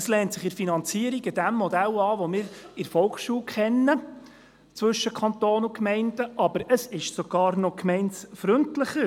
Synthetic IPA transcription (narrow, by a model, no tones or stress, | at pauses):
əslɛːntsɪχɪɾfinɑnt͡siəɾiɡɪd̥æmːɔdælɑːʋomɪːɾɪɾfɔlkʃuːlkχɛnːə | t͡sʋɵʃːəkʰɑntoːnʊkmɛɪndəʔɑbəɾəsɪʃsoɡ̥ɑːɾnɔkmɛɪnsfɾʏntlɪχə